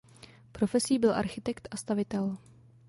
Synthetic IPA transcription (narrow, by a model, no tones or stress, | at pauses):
pɾo̞fɛsiːbɪlʔa̰ɾxɪt̪ɛkt̪ʔast̪avɪt̪ɛl